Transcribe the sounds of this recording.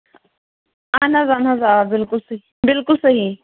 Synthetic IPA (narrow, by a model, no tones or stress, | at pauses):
anazanazaːbɪlkʊlsɐɦi | bɪlkʊlsɐɦi